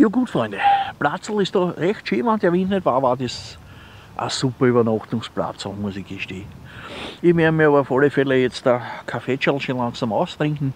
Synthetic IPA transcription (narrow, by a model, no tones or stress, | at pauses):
joːɡuːtfʁɔ̃ɪndeplat͡sl̩ɪstd̥oʁɛxtʃiːmand̪ɛɐʋɪnnedʋaːʋaːdes | ʔə̰supɐyβɐnɔxtʊŋspla̰t͡sl̩muəsɪçɡ̥eʃteːn | ɪʋeɐmiɐɑβɐɑfɔlefɛlejɛt͡stəkʰafeːt͡ʃalʃolɑŋsamɔʊst̪ʁɪ̃ŋkŋ̩